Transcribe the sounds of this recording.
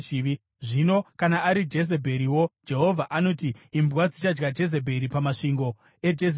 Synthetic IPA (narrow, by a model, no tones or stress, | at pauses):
ʐino̞kanaːɾid͡ʒe̞ze̞bʱe̞ɾiwo̞d͡ʒe̞ɦo̞vʱaʔano̞tiːmbwad͡zit͡ʃad͡ʒɡad͡ʒe̞z̬e̞bʱe̞ɾipamaʂiŋɡo̞ | e̞d͡ʒes